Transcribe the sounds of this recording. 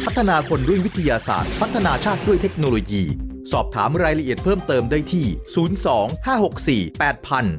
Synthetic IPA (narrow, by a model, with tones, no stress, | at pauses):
pʰa˦˥t̪ʰːa˧naː˧kʰo˧nɾu˥˩əŋwi˦˥t̪ʰa˧jaː˧sa̰ː˨˩t̪̚pʰa˦˥t̪ʰːa˧naː˧t͡ɕʰaː˥˩t̪̚du˥˩əjt̪ʰe˦˥k̚noː˧loː˧jḭː˧ | sɔː˨˩p̚t̪ʰaː˩˦mɾaː˧jɾla˧ʔi˨˩ət̪̚pʰɤː˥˩mt̪ɤː˧mdaː˥˩jt̪ʰiː˥˩suː˩˦nsɔː˩˦ŋhaː˥˩ho˨˩k̚siː˨˩pɛː˨˩t̪̚pʰa˧n